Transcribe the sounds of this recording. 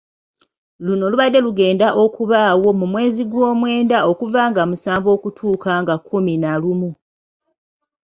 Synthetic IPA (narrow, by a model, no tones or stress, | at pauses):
luno̞luβadːe̞luɡe̞ːndaʔo̞kuβaːwo̞mumwe̞ːziɡwo̞ːmwe̞ːndao̞kuvaːŋɡamusaːɱvo̞ːkutʰuːkaŋɡakːuminalumu